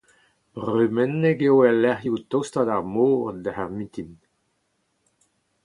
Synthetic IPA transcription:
b̥ʁymɛnːeɡewɛlɛʁjut̪owst̪adaʁmoːʁd̪əhɛʁmit̪im

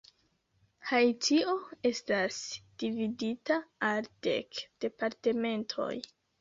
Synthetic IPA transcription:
hajtʰio̞e̞stasd̥ividitaːld̥e̞̰kd̥e̞paɾte̞me̞ntʰo̞̰j

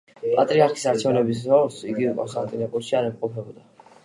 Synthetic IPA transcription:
pʼat̪ʼɾiaɾkʰi̥saɾt͡ʃʰɛvnɛbis̬ɾɔɾsiɡiukʼɔ̰nst̪ʼant̪ʼinɔkʼuɾʃiaɾɛmqʼɔpʰɛbɔd̪a

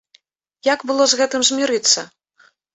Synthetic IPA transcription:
jakbɨlˠɔzɣɛt̪ɨmzʲmʲiɾɨt̪sːɐ

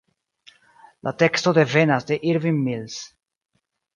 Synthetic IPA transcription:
lʔa̰t̪ekst̪od̪evenasd̪eʔiɾvinmils

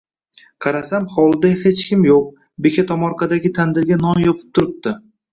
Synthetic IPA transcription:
qʰɑɾasamχɒwlˠd̪ahet͡ʃkʲɪmjoq̚ | be̞kʲʰat̪ʰɒmɒɾqʰɑd̪aɡʲɪt̪ʰand̪ɪɾɡʲanɒnjɒpʰɪ̥p̚t̪ʰʊɾɪp̚t̪ɪ

